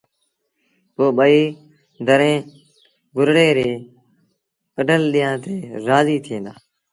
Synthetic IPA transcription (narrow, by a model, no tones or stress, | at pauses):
poːɓəiː | d̪əɾẽː | ɡʊɾɽeːɾeː | kəɖəlɗɪjãːt̪eːɾaːziːt̪ʰẽːnd̪aː